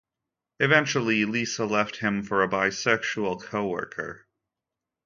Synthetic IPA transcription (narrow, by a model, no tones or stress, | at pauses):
ɨvɛ̃nt͡ʃl̩ˠilisəlɛft̚hɪ̃ɱfə˞ɨbaɪsɛkʃul̩ˠkʰoʊwɜ̰˞kʰə̰˞